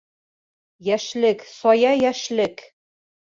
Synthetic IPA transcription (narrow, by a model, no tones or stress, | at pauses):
jæʃlɘksɒjɑjæʃlɘk